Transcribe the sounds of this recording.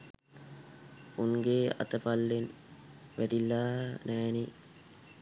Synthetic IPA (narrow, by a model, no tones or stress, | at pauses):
uŋɡeːa̰t̪əpalːen | ʋæɖilːaːnæːni